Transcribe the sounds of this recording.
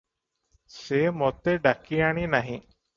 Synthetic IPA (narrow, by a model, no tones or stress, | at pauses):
seːmot̪eɖakiaɳinɐɦĩ